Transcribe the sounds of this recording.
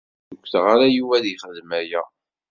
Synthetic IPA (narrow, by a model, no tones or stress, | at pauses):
jəkʷːθʁaɾajuwæðiχəðmæjæ